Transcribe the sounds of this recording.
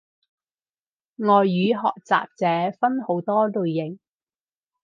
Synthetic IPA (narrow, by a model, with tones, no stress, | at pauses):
ŋɔː˨jːyː˨˧ɦɔ̰ː˨k̚t͡sa̰ː˨p̚t͡sɛː˨˧fɐ˥nho˨˥wt̪ɔː˥lɵ˨ɥjɪ˨˩ŋ